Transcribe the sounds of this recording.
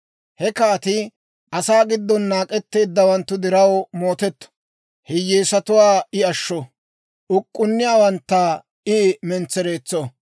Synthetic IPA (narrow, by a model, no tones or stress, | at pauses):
hɛkaːt̪ɪ | ʔɐsaːɡɪd̪ːɔnːaːkʼɛt̪ːe̞ːd̪ːɐwɐnt̪ːʊd̪ɪɾɐwmo̞ːt̪ɛt̪ːɔ̥ | hɪjːeːsɐt̪ʊwaːɪɐʃːɔ | ʔʊkʼːʊnːɪjaːwɐnt̪ːɐ | ɪmɛnt͡sːɛɾe̞ːt͡sːɔ